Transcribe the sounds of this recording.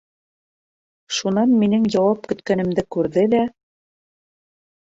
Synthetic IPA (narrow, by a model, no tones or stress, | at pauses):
ʃunɑnminɘŋjɑwɑp̚kɵ̆t̪kænɘ̆md̪ɘkʉɾðɘlæ